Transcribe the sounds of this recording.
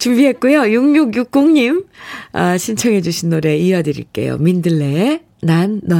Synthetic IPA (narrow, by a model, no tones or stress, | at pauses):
t͡ɕumbiɦe̞t̚k͈ujojuŋɲuɡjuk̚k͈oŋɲimaɕʰint͡ɕʰʌŋɦe̞d͡ʑuɕʰinːoɾe̞iʌdɯɾḭɭk͈e̞̰jo̰mindɯɭːe̞ | nanːʌ